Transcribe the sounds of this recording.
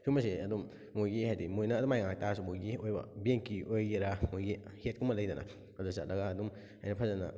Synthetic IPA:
sumɐsiɐdumː | ojɡihajdimojnɐːdumajŋak̚tasumojɡiojbɐ̰beŋkiʔojɡiɾamojɡihet̚kumɐlɐjdɐnɐ̰ | ɐdusa̰tlɐɡaːdum | a̰jnɐpʰɐzanɐ̰

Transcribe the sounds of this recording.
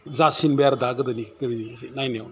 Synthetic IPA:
zasinbejaɾdaɡɯdɯniɡdninajnaw

